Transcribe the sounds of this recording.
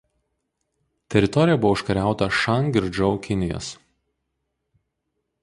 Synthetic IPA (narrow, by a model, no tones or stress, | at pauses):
t̪ʲɛɾʲɪt̪ɔɾʲɪjɛbʊʋoɪʃkɐɾʲæˑʊt̪ɐʃɑŋɡʲɪɾʲd͡ʒɔʊkʲɪnʲɪjɔ̰s